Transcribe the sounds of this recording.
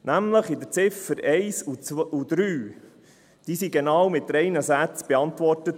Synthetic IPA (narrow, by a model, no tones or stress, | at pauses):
næmləχɪd̪əɾt͡sɪfəɾɛɪsuud̪̥ɾyː | d̥iːsiɡenɑːwmɪt̪ɾɛjnəsæt͡sb̥ɛɑnt̪ʋɔrtət